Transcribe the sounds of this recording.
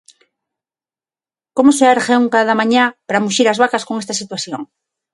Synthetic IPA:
komoseaɾxewŋkað̞amãɲapaɾamuʃiɾazβ̞akaskoŋest̪asit̪waθjoŋ

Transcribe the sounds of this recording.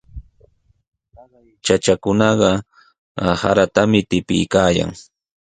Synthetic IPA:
t͡ʃat͡ʃakʊnɑɢɑ | ha̰ɾat̪amɪt̪ɪpɪ̰jkaːja̰ŋ

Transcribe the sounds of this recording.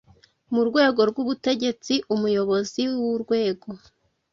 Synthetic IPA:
muɾɡwe̞ːɡo̞ɾɡuβute̞ɟe̞t͡siʔumujo̞βo̞ziwuɾɡwe̞ːɡo̞

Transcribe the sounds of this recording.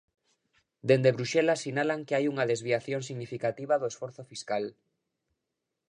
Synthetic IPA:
d̪end̪eβɾuʃelasinalaŋkeajuŋaðezβiaθjoŋsiɣnifikat̪iβ̞aðoesfoɾθofiskal

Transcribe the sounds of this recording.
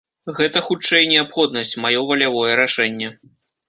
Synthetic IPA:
ɣɛt̪ɐxut͡ʂɛjnʲɛapxɔd̪̚nɐsʲt͡sʲmajɔvɐlʲavɔjɛɾaʂɛnʲːɛ

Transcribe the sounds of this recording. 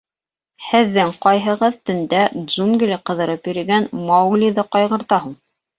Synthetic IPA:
hɘ̆ðːɘŋqɑjɦɤ̆ʁɤðt̪ɵ̆nd̪æʒuŋɡlʲiqɤ̆ðɤ̆ɾɤpjɵ̆ɾɘ̆ɡænmɑwɡlʲiðɤqɑjʁɤ̆ɾt̪ɑɦuɴ

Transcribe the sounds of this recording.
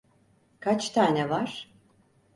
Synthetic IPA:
kʰat͡ʃt̪ʰaːnɛvaɾ̥

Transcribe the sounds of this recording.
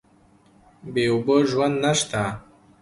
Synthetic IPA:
beuboʒwand̪naʃt̪a

